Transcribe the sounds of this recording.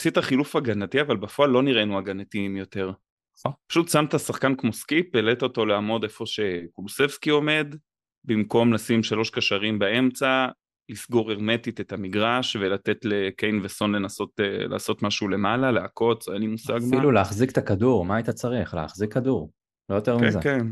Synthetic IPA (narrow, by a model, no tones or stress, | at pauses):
asit̪aχilufaɡanatiavalbafoalːo̞niʁenuaɡanatimjo̞t̪e̞ʁ | pḁʃut̪samt̪asaχkankmo̞skipelet̪o̞to̞leamo̞de̞fo̞ʃe̞kuluse̞vskio̞me̞d̪ | bimko̞mlasimʃalo̞ʃkaʃaʁimbae̞mt͡sa | lisɡoʁe̞ʁme̞titetamiɡʁaʃve̞lat̪e̞tlekejnveso̞nle̞naso̞tla̰ːso̞tmaʃule̞malaleako̞t͡senlimusaɡmiluleːχzikt̪akaduʁmaajt̪at͡saʁiχlḛa̰χzikːaduʁ | lojot̪eʁmkizeken